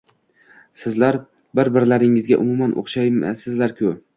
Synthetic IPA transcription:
sɪzlaɾ | bɪɾbɪɾlaɾɪŋɪzɡʲaʔʊ̰mʊmanʔo̰χʃajsɪzlaɾkʲʰʊ

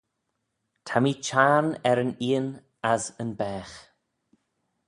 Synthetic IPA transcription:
tʰamit͡ʃʰaːnɛɾəniːən | azənbɛːx

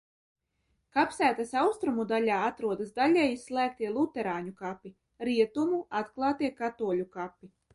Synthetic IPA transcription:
kapsæːt̪asawst̪ɾumud̪alʲaːat̪ɾuɔd̪asd̪aʎʲɛjislˠæːk̚t̪iɛlˠut̪ɛɾaːɲukapːi | ɾiɛt̪umuat̪klˠɑːt̪iɛkat̪uɔlʲukapʲːi

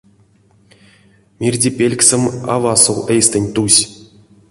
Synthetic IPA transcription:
mʲirʲdʲepʲelʲksʲɘ̆ma̰vɑsowejst̪ɘ̆nʲt̪usʲ

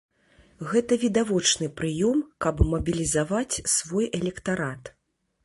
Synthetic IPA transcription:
ɣɛt̪ɐvʲid̪avɔt͡ʂnɨpɾɨjɔmkɐbmɐbʲilʲizavat͡sʲsvɔjɛlʲɛkt̪aɾat̪

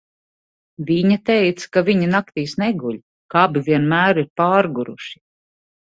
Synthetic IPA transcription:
viɲat̪ɛjt̪sḁkaviɲinak̚t̪iːsnɛɡuʎʲ | kabivʲiɛnmæːɾiɾpaːɾɡuɾṵʃi̥

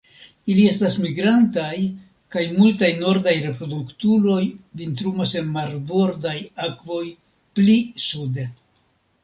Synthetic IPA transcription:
ilie̞stasmiɡɾantaj | kajmultajno̞ɾdajɾe̞pɾo̞duktulo̞jvintɾumase̞nmaɾbo̞ɾdajakvo̞j | plisude̞

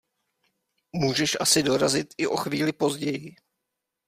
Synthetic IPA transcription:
muːʒɛʃʔa̰sɪdo̞ɾazɪt̪ɪʔo̞xviːlɪpo̞zɟɛjɪ

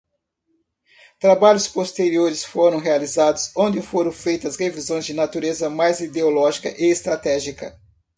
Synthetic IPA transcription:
t̪ɾabaʎʊspost̪eɾioɾɪsfoɾɐ̃w̃ɦealizad̪ʊsõnd͡ʒ̪ɪfoɾɐ̃w̃fejt̪ɐsʁevizõj̃zd͡ʒɪnat̪uɾezɐmajzid̪eolɔʒikɐ̰ʔeːst̪ɾat̪ɛʒikɐ

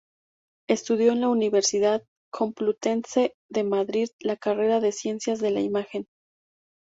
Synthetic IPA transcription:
e̞st̪uð̞jo̞enlauniβe̞ɾsiðað | kʰo̞mplut̪e̞nse̞ | ðe̞maðɾiðlakare̞ɾaðe̞sje̞nsjazðe̞laimaxe̞n

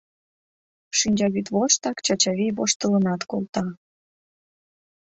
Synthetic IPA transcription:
ʃinʲd͡ʑɑβit̪βoʃt̪ɑkt͡ɕɑt͡ɕɑβiβoʃt̪ələnɑt̪kolˠt̪ɑ

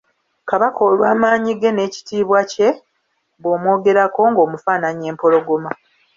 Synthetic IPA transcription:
kaβakʰo̞ːlwaːmaːɲiɡe̞ne̞ːci̥tiːβwace̞ | βwoːmwo̞ːɡe̞ɾako̞ŋɡo̞ːmufaːnaɲe̞ːmpo̞lo̞ɡoma

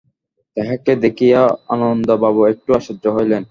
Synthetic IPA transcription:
t̪ɛɦaked̪ekʰijaanond̪obaβoek̚ʈuaʃodd͡ʑoɦojlen

